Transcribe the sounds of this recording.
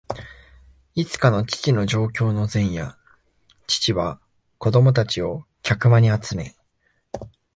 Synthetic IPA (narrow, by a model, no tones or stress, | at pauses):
it͡sɨ̥kano̞t͡ɕi̥t͡ɕino̞ʑo̞ːkʲo̞ːno̞zẽ̞ɰ̃ja̰ | t͡ɕi̥t͡ɕiβa | ko̞d̪o̞mot̪at͡ɕio̞kʲakɯ̟maɲ̟iat͡sɨme̞